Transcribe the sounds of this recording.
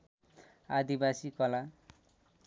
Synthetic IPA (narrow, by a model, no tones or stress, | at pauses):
ad̪ibasikʌla